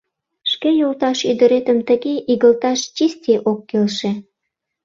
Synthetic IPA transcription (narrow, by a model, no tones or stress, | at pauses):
ʃkejolt̪ɑʃyd̪əɾet̪əmt̪əɣeʔiɣəlt̪ɑʃt͡ɕist̪ʲeʔokːelʃe